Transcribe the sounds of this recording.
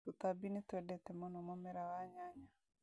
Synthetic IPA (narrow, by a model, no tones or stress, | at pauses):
t̪ut̪abinit̪wɛdɛt̪ɛmɔnɔmɔmɛɾawaɲaɲa